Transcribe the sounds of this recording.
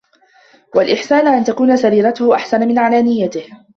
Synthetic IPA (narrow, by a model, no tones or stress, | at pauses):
walʔɪħsaːnʔant̪akuːnasaɾiːɾat̪ʊhʔaħsanamɪnʕalaːnɪjːat̪ɪh